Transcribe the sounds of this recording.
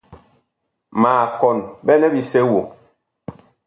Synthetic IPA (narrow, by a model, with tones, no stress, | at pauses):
maː˨kɔ˨nbɛ˦nɛ˦bi˨se˦wo˨